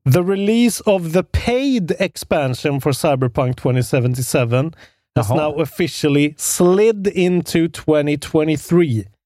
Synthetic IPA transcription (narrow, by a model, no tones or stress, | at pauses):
ðəɹɪliːsʌvðəpʰeɪdɛkspæ̃nʃə̃nfəɹsaɪbə˞pʰãŋk̚tʰw̥ɛ̃ñtisɛvə̃ntɪsɛvə̃n | həznaʊəfɪʃəl̩ˠɪslɪdɪ̃ntʰʉtʰw̥ɛ̃nitʰw̥ɛ̃ɾ̃iθɹiː